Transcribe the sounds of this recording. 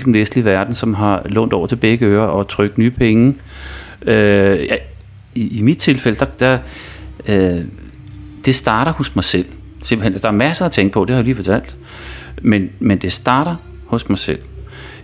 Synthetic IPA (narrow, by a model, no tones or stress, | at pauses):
ld̥en̩ʋesd̥liʋæɐd̥n̩sɒ̽mɦɑ̈lɔ̰̽ːnd̥ɒ̰ʊɐt͡sʰe̝lb̥eɡ̥əøːɐɒ̽t͡sʰʁœɡ̥d̥nyːpʰeŋə | øjæ | iimid̥̚t͡sʰe̝lfel̰əd̥ɑ̈d̥ɑ | d̥e̝sd̥ɑ̈ːɾ̥ɐhɔ̽smɑ̈ɪsel̰ | semb̥l̩hend̥ɑ̈æɐmæsɐæt͡sʰeŋ̰ɡ̥əpʰɒ̽d̥e̝hɑjaliːfɒt͡sʰæl̰d̥ | menmend̥e̝sd̥ɑ̈ːɾ̥ɐ | hɔ̽smɑ̈ɪsel̰